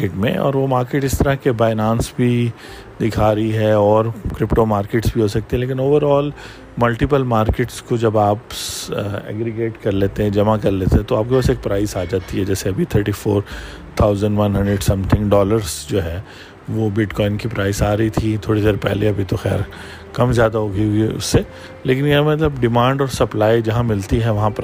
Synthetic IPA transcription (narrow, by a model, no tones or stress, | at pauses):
eʈmḛ̃ɔ̰ːɾʋomaːɾkeʈɪst̪ɐɾakebaːɪnãːnsbʱi | d̪ɪkʰaːɾiɦɛɔːɾkɾɪpʈomaːɾkeːʈsbʱiɦosɐk̚t̪iɦɛ̃leːkɪnoːʋəɾɔːl | mɐlʈɪpəlmaːɾkeʈskod͡ʒɐbaːp | ɛ̰ːɡɾɪɡeːʈkɐɾleːt̪ẽɦɛ̃d͡ʒɐmakɐɾleːt̪eɦɛ̃t̪oaːp̚kobɛseːk̚pɾaːɪsaːd͡ʒaːt̪iɦɛd͡ʒɛːseɐbʱit̪ʰəɾʈifoːɾt̪ʰaːʊzə̃ɳɖʋɐ̃nɦɐ̃ɳɖɾeɖsɐ̃mt̪ʰɪ̃ŋkɖɔːləɾzd͡ʒoːɦɛː | ʋobɪʈkɔːɪnkipɾaːɪsaːɾɐɦit̪ʰit̪ʰoːɽid̪eːɾpɛ̰ɦleɐbʱit̪oxɛ̰ːɾ | kɐmzjaːd̪aɦoɡiɦʊiʊ̰sːe | leːk̬ɪnjɐamɛt̪lɐbɖɪmãːɳɖɔːɾsɐplaːid͡ʒɐɦãmɪlt̪iɦɛʋɐɦãpɾ